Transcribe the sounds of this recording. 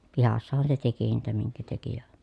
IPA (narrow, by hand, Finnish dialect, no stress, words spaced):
pihɑsːɑhɑn se teki niːtæ miŋkæ teki jɑ